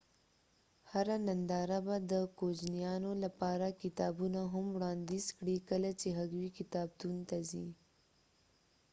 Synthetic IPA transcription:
haɾanand̪ɑɾabad̪əkod͡ʒnijɑnolapɑɾakɪt̪ɑbunaɦʊmwɽɑnd̪izkɽikəlat͡ʃeɦaɡwikɪt̪ɑb̚t̪unt̪azi

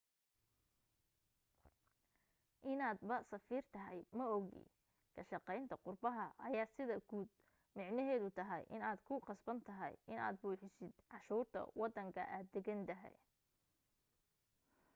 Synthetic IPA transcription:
ʔɪnaːd̪bɐsɐfiːrt̪ʰɐɦɛjmɐɔɣḭ | kʰɐʃɑqɛjnt̪ʰɐqʊrbɐɦɐʔɐjaːsɪðɐɡuːd̪̚ | mɪʕnɐɦɛːðʊt̪ʰɐɦɛ̰jʔɪnaːd̪kʰʊqɑsbɐnt̪ʰɐɦɛ̰jɪna̰ːd̪̚buːħɪsɪd̪ʕɑʃuːrt̪ʰɐ̰wɑd̪ːɐŋkʰɐ̰ʔaːd̪ːɛɡɐnd̪ɐɦɛ̰j

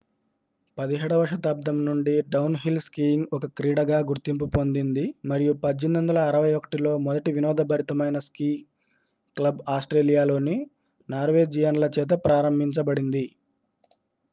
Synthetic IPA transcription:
pɐd̪iɦɛːɽɐʋɐʂɐt̪ɐb̚d̪ɐmnuɳɖiɖɐwnɦilskiːiŋɡɔkɐkɾiːɽɐɡaːɡuɾt̪imp̬upond̪ind̪imɐɾijupɐd͡ʒːind̪ɐnd̪ɐlɐːɾɐʋɐjɔkɐ̥ʈilo̞ːmɔd̪ɐʈiʋinɔːd̪ɐbʱɐɾit̪ɐmɐjnɐskiː | klɐbaːsʈɾeːlijaːlo̞ːni | naːɾʋe̞ːd͡ʒijɐnlɐt͡ʃɛːt̪̬ɐpɾaːɾɐmbʱiɲt͡ʃɐbɐɽind̪i

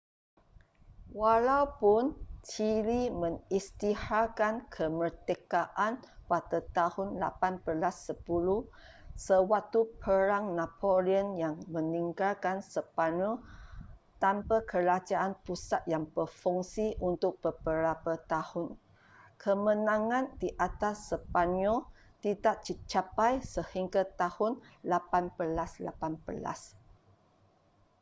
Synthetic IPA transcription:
walawpʊnt͡ʃilimə̃ŋist̪ihakankʰəmərt̪əkaʔanpat̪ət̪ahʊnla̰panbəlasːəpulu | səwak̚t̪upʰəɾaŋnapoɾiənjaŋmə̃nĩŋɡalkansəpanu | t̪ampakʰəɾad͡ʒaʔanpusat̪̚jaŋbəfuŋsiʔunt̪ʊk̚b̥əbəɾapat̪ahʊn | kʰəmə̃nãŋãndiʔat̪asːəpanɔ | t̪idaʔ̚t͡ʃit͡ʃapajsəhiŋɡat̪ahʊnlapanbəlasla̰panbəla̰s

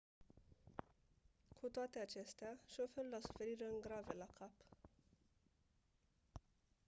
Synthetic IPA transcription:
kʰut̪oat̪e̞at͡ʃe̞st̪eaʃo̞felulasu̥fe̞ɾiɾeɨŋɡɾave̞lakʰap

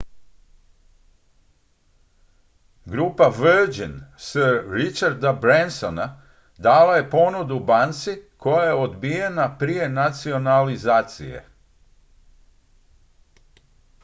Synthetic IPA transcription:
ɡɾuːpaʋəɾd͡ʒinsəɾːit͡ʃaɾd̪abɾensona | d̪aːlaje̞po̞nud̪ubant̪siko̞jaje̞o̞d̪bijenapɾije̞nat̪sio̞nalizaːt̪sḭje̞̰

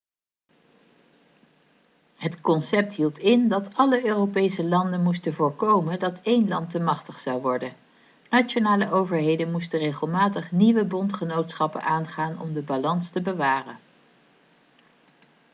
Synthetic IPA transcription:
ɦətkɔnsɛp̚tɦilˠtʰɪndɑtɑləøːrowpejsəlɑndənmustənvʊːɹkowməndɑtejnlɑntəmɑχtəχsɑwʋɔɹdən | nat͡ʃonaːləʔowvəɹɦejdənmustərejχəlˠmaːtəχniʋəbɔntχənowtsχɑpə̰nʔaːnχaːnɔ̰mdəbalɑnstəbəʋaːrə̰n

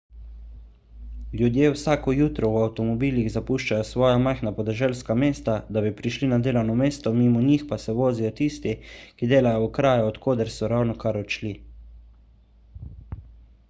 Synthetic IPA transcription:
ljud̪jeːwsaːkɔjuːt̪ɾɔwawt̪ɔmɔbiːliɣzapuːʃt͡ʃajɔsʋɔːjamajxnapɔd̪ɛʒɛlskameːst̪ad̪abipɾiʃlinad̪eːlawnɔmeːst̪ɔmiːmɔɲixpasɛʋoːzijɔt̪ist̪ikid̪eːlajɔwkɾaːjaɔt̪kʰoːd̪ɛɾsɔɾawnɔkaɾɔt͡ʃli

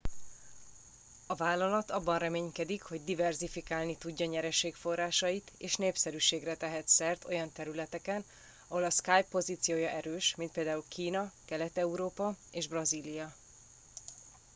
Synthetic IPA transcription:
ɒvaːlːɒlɒt̪ɒbːɒnrɛmeːɲkɛd̪ikho̞ɟ̚d̪ivɛrzifikaːlnit̪uɟːɒɲɛɾɛʃeːkfo̞rːaːʃɒjit̪eːʃneːpsɛɾyːʃeːɡrɛt̪ɛɦɛt̪sɛrt̪o̞̰jɒnt̪ɛɾylɛt̪ɛkɛn | ɒɦoːlɒskajpːo̞zit̪sijoːjɒʔɛɾøːʃmint̪peːld̪aːulkʰiːnɒkɛlɛt̪ɛuɾoːpɒeːʒbrɒziːlijɒ

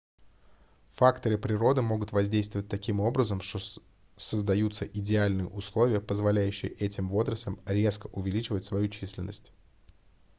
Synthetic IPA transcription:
fakt̪əɾɨpɾʲɪɾo̞d̪ɨmo̞ɡʊt̪vɐzʲdʲejst̪vəvət̚ʲt̪ɐkʲimo̞bɾəzəmʂt̪o | səzd̪ɐjut̪səʔɪdʲɪalʲnɨjə̰ʔʊslˠo̞vʲɪjəpəzvɐlʲæjʉɕːɪjəʔɛtʲɪmvo̞zɾəslʲɪmɾʲe̞skəʔʊvʲɪlʲit͡ɕɪvətʲsvɐjut͡ɕisʲlʲɪ̰nːə̰sʲtʲ

